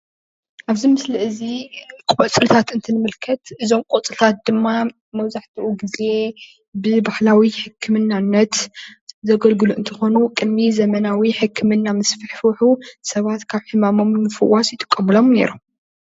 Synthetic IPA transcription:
ʔaβzimɨslɨʔɨzikʼɔt͡sʼɨlt̪ʰat̪ɨnt̪ʰɨnɨmɨlkʰɐt̪ʔɨzo̞mkʼot͡sʼɨlt̪ʰat̪̚d̪ɨmːa | mɐβzaħt̪ʰiʔuɡize̞ | bɨbaħlawiħɨkʰːɨmɨnːanːɐt̪zɐɡɐlɡɨluʔɨnt̪ʰɨxo̞nukʼɨd̪mizɐmɐnawiħɨkʰːɨmɨnːamɨsfɨħfɨħusɐβat̪kʰaβħɨmamo̞mːɨfɨwːasjɪt̪ʼɨ̥kʼːɐmɨlo̞mne̞̰ɾom

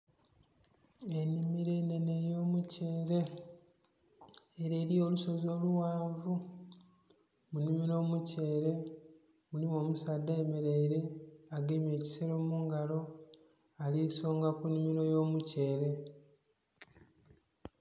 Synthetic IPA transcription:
e̞nimiɾe̞ːne̞ne̞jo̞ːmuce̞ːɾe̞ | ɾe̞ːɾijo̞luso̞zo̞ːluwaːvu | munimiɾo̞ːmuce̞ːɾe̞ | mulimo̞ːmusaːdːaeme̞ɾeiɾe̞aɡemje̞ːci̥seɾo̞ːmuŋɡalo̞ | aliso̞ːŋɡakunimiɾo̞jo̞ːmuce̞ːɾe̞

